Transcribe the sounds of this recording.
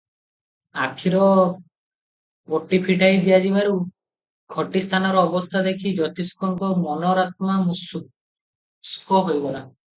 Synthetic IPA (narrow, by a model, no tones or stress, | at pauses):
akʰiɾɔ | boʈːipʰiʈajd̪ijad͡ʒibaɾu | kʰɔʈist̪ʰanaɾɔɔbɔst̪ʰad̪ekʰid͡ʒɔt̪iskɔŋkɔmɔnɔɾat̪mamus | skɔɦojbɔla